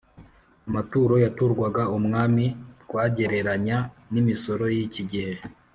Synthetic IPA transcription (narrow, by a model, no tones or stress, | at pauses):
amatuːɾo̞jatuɾɡwaɡaumŋaːmiɾɡ̥waːɟe̞ɾe̞ɾaɲa | nimiso̞ɾo̞jiciɟihe̞